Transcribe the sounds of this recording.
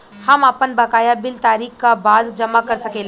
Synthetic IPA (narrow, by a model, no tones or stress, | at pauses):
hɐmɐpənbɐkaːjabɪlt̪aːɾiːkkabaːd̪d͡ʒɐmakɐɾsɐkeːl